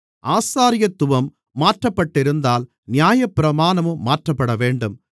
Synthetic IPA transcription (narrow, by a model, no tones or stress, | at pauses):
ʔaːsaːɾɪjɐt̪ːʊʋɐmː | aːʈrɐpːɐʈːɪɾɯnd̪aːl | nɪjaːjɐpːɪɾɐmaːnɐmɯːaːʈrɐpːɐɽɐʋeːɳɖɯm